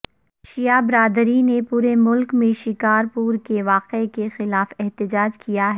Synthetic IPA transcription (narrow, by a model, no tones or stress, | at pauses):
ʃijabɾaːd̪ɾinepuːɾemʊlkmẽʃɪkaːɾpuːɾkeʋaːqekexɪlaːfɛɦt̪ɪd͡ʒaːd͡ʒkijaɦɛ